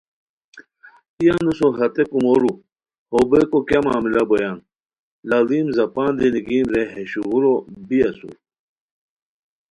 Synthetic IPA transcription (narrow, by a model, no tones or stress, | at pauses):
ijanusoɦɐt̪ekumoɾu | hobekokamaːmilɐbojan | laliːmzɐpaːnd̪iniɡiːmɾeɦeɕuɣuɾobiɐsṵɾ